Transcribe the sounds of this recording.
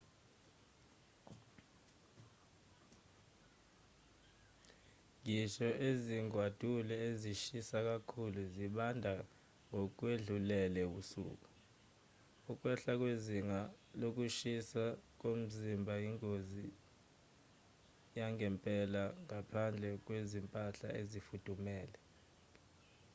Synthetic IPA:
ŋiʃɔʔeziŋwad̥ʱulɛeziʃisak̬akʰuluziɓandʱa | ŋok̬ʼweɮulɛlɛɓusṵːk̬ʼu | uk̬ʼwɛɬak̬weziŋa | lok̬uʃisak̬om̩zimbʱajiŋozi | jaŋɛmpʼɛlaŋapʰand͡ɮʱɛk̬wezimpʼaɬa̰ʔezifud̥ʱumɛːlɛ

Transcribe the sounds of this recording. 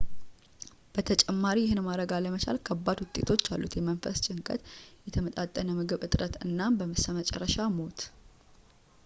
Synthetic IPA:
b̥ət̪ʰət͡ʃʼɛmːaɾijɪhɨnmaɾəɡaləmət͡ʃʰa̰lkʰəbːad̪wʊt̪ʼːe̞t̪ʰo̞t͡ʃːa̰lːut̪jɛmənfəst͡ʃʼɪŋkʼə̰t̪jɛt̪ʰəmət̪ʼat̪ʼːənəmɨɡɨβɨt̪ʼɾət̪ɨnːambəmɨsəmət͡ʃʼɛ̰rːəʃamo̞t̪

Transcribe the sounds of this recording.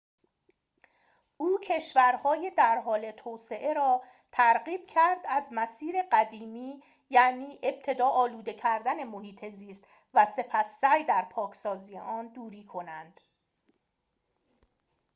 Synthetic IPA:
ʔuːcʰe̞ʃvæɾhɒːje̞d̪æɾɦɒːle̞t̪ʰoːse̞ʔe̞ɾɒː | t̪ʰæɾɢiːb̥̚cʰæɾd̪æzmæsiːɾe̞ɢæd̪iːmiː | jæniːʔe̞b̥̚t̪ʰe̞d̪ɒːʔɒːluːd̪e̞cʰæɾd̪æne̞mohiːt̪ʰe̞ziːst̪ | væse̞pʰæsːæjd̪æɾpʰɒːkʰsɒːziːjḛʔɒːnd̪uːɾiːkʰo̞nænd̪̥

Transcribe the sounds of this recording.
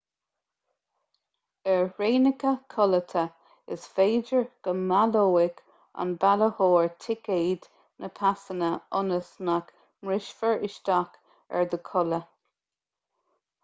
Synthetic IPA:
ɛɹɹeːnəkəkʰɔlət̪ʰə | ɪsfeːd͡ʒəɹɡ̥əmaloːɪk | a̰nbaləhoːɹt̪ʰɪkeːd̪ | nʔəpʰasənəʊnəsmak | mɹɪʃfəɹɪʃt̪ak | ɛ̰ɹd̪əkʰɔlə

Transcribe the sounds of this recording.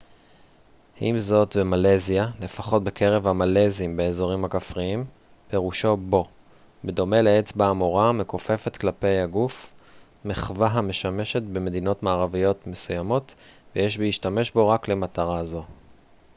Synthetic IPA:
himzo̞tbe̞maleziale̞faχo̞t̚be̞ke̞ʁe̞vhamalezimbeezo̞ʁimhakafʁiim | pe̞ʁuʃo̞bo̞ | bedo̞me̞leet͡sbaːmo̞ʁamekofe̞fe̞t̪klape̞jaɡuf | meχvaɦame̞ʃameʃe̞tbe̞me̞d̪ino̞tmaːʁavijo̞tmesujamo̞tvejeʃbiiʃtame̞ʃbo̞ʁakle̞mataʁazo̞

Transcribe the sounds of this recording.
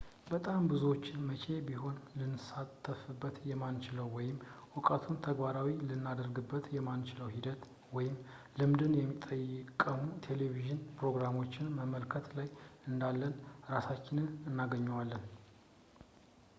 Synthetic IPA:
bət̪ʼambɨzuwo̞t͡ʃːɪnmət͡ʃʰe̞biɦo̞nlɨnːɨsat̪ʰːəfɨbːət̪jɛmant͡ʃɪləwːɔjɪmʔʊkʼət̪ʰunt̪ʰəɡbaɾawilɨnːad̪əɾɡɨbːət̪jɛmant͡ʃɪləwɦid̪ət̪ | wɔjɪmlɨmd̪ɨnjɛmːit̪ʼːəjɪkʼəmut̪ʰe̞leviʒɨnpɾo̞ɡɾamo̞t͡ʃːɪnməməlkʰət̪lajɨnd̪alːənɾasat͡ʃːɪnɨnɨnːaɡəɲːɛwalːən

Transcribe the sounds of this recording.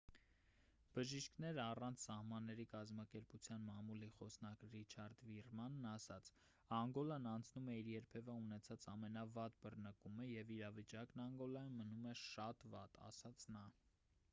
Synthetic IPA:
b̥əʒiʃkʰnɛɾɑrɑnt͡sʰsɑhmɑnːɛɾikɑzmɑkɛɾput͡sʰjɑnmɑmuliχɔsnɑkrit͡ʃʰɑɾd̪virmɑnːɑsɑt͡sʰ | ɑŋɡɔlɑnɑnt͡sʰnumɛiɾjɛɾpʰɛvəunɛt͡sʰɑt͡sɑmɛnɑvɑt̪bərnəkuməjɛviɾɑvit͡ʃɑknɑŋɡɔlɑjnmənumɛʃɑt̪vɑt̪ɑ̰sɑt͡sʰnɑ

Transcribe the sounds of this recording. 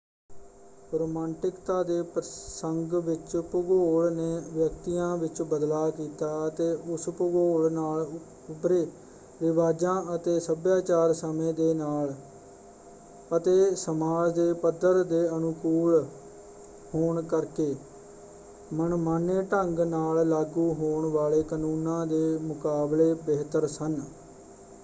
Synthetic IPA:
ɾoːmãːɳʈɪkt̪aːd̪eːpɾəsəŋɡʋɪt͡ʃpʊɡoːɭneːʋjəkt̪ijãːʋɪt͡ʃbəd̪laːkiːt̪aːət̪eːʔʊspʊɡoːɭnaːl | ʊbɾeː | ʋɪʋaːd͡ʒãːət̪eːsəbjaːt͡ʃaːɾsəmẽːd̪eːnaːl | ət̪eːsəmaːd͡ʒd̪eːpəd̪əɾd̪eːənʊkuːl | hoːɳkəɾkeː | mənmaːnẽːʈəŋɡnaːllaːɡuːɦoːɳʋaːɭeːkənuːnãːd̪eːmʊkaːbleːbeːt̪əɾsən

